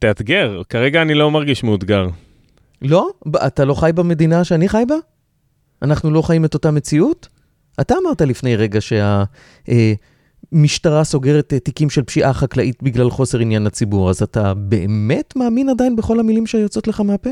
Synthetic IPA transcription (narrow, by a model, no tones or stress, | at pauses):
t̪eat̪ɡeʁkaʁeɡaːnilomaʁɡiʃmeud̪ɡaʁ | lo̞atalo̞χajbame̞d̪inaʃeaniχajba | anaχnulo̞χajime̞to̞tame̞t͡siut | ataːmaʁtalifne̞jʁe̞ɡaʃe̞a | ʔe | miʃtaʁaso̞ɡe̞ʁetetːikimʃelpʃiʔaχaklaʔitbiɡlalχo̞se̞ʁinjanat͡sibuʁazatabe̞eme̞tmaːminadajinbeχo̞lamilimʃeajujot͡so̞tleχameape